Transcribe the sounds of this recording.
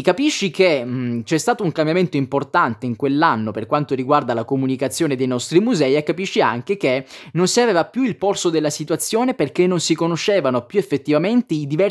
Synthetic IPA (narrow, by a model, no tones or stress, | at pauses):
kapiʃːiket͡ʃɛst̪aːt̪ouŋkambjament̪oimport̪ant̪eiŋkwelːanːoperkwant̪oɾiɡward̪alakomunikat̪sːjoːned̪ejnɔst̪ɾimuzɛːiekːapiʃːia̰ŋk̟ekenonsiaveːvapjuilporsod̪elːasit̪wat̪sːjoːneperkenːonsikonot͡ʃːeːvanopjuefːet̪ːivament̪eid̪ivɛ